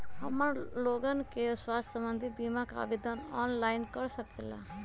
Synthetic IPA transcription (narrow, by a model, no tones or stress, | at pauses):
həmːəɾloːɡənkeswaːst̪ʰʲsəmbənd̪ʱibimaka̰bid̪anɔːnlaɪnkəɾsəkela̰